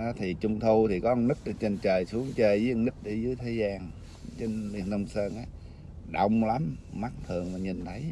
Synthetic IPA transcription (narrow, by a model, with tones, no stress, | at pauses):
t̪ʰi˨˩t͡ɕʊ˧ŋ͡mt̪ʰu˧t̪ʰi˨˩kɔ˨˦˧nɨ˦˥k̚ɗ̚t͡ɕe˧nt͡ɕəː˨˩jsu˨˦əŋt͡ɕəː˧jzɨː˨˦˧nɨ˦˥k̚ɗe˨˦zɨ˨˦əjt̪ʰe˨˦zaː˧ŋ | t͡ɕe˧nli˧˩ənːə˧wŋ͡msəː˧nʔaː˨˦ | ɗə˧˩wŋ͡mla˨˦mma˦˥t̚t̪ʰɨ˨˩əŋvaː˨˩ɲi˨˩nt̪ʰə˨˦j